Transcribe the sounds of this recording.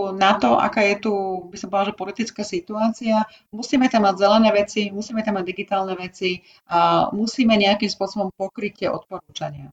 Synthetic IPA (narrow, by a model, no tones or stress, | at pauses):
nat̪ɔʔa̰kaːjɛt̪ubisapɔlaʒɛpɔlit̪it͡skaːsit̪uaːt͡sia | musiːmɛt̪amːaɟzɛlɛnɛːʋɛt͡simusiːmɛt̪amːaɟd̪iɡit̪aːlnɛʋɛt͡si | amusiːmɛɲɛakimspʊɔsɔbɔmpɔkɾicːɛʔɔ̰t̪̚pɔɾuːt͡ʃaɲɪa